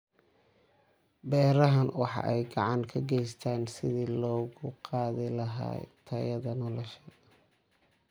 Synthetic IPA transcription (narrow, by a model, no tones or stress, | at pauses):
bɛːɾɐɦɐnwɑħɑ̰ʔɛjɡɑʕɑŋkʰɐɡɛjst̪ʰaːnsɪðilɔːɣʊqɑːðɪlɐɦa̰ːt̪ʰɐjɐðɐnɔlɔʃɐ